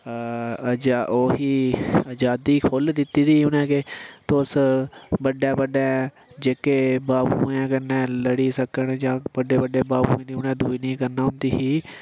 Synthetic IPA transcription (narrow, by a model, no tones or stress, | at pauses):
d͡ʒaoːɦiːəd͡ʒaːd̪iːkʰold̪ɪt̪iːd̪iːʊnɛ̃ːkeːt̪oːsbəɖeːbəɖɛ̃ː | d͡ʒeːkeːbaːbuːɛ̃ːkənːɛ̃ːləɽiːsəkəɳd͡ʒãːbəɖeːbəɖeːbaːbṵ̃ːẽːd̪iːʊnɛ̃ːd̪uːinĩːkəɾnaːʊnt̪iːɦiː